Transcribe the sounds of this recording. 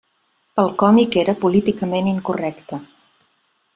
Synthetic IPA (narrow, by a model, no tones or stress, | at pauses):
əlˠkɔmikeɾəpulit̪ikəmeniŋkurɛkt̪ə